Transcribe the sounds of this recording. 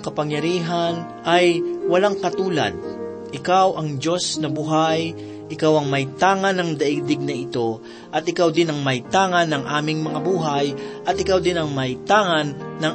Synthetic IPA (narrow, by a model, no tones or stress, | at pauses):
kɐpɐŋjɐɾiːɦan | ʔajwɐlaŋkɐt̪uːlɐ̰d̪̚ | ʔɪkawʔɐŋd͡ʒo̞snɐbʊɦaj | ʔɪkawɐŋmɐjt̪aːŋɐnɐŋd̪ɐʔɪd̪ɪɡ̚nɐɪt̪o̞ | ʔɐt̪ɪkawd̪ɪnɐŋmɐjt̪aːŋɐnːɐŋʔaːmɪŋmɐŋabuːɦajʔɐt̪̚ɪkawd̪ɪnɐŋmɐɪt̪aːŋɐnːɐŋ